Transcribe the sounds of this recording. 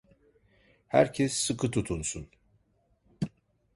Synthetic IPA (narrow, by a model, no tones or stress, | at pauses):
hæɾcʰɛsːɯkʰɯt̪ʰut̪ʰunsun